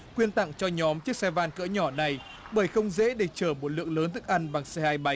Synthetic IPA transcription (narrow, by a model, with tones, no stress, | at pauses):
kwi˧ənt̪a̰˧˨ŋt͡ɕɔ˧ɲɔ˨˦mt͡ɕɨ˦˥k̚sɛ˧vaː˧nkɨ̰˧˥ɲɔ˧˩na˨˩j | ɓəː˧˩jxə˧wŋ͡mzḛ˧˥ɗe˧˩t͡ɕəː˧˩mo˨˩t̚lɨ̰˧˨əŋləː˨˦nt̪ʰɨ˦˥k̚ʔa˧ŋɓa˨˩ŋsɛ˧haː˧jɓa˨˦